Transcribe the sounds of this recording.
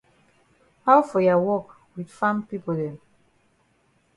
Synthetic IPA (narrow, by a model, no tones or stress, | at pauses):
hawfɔjawɔk | widfãmpipodɛ̃m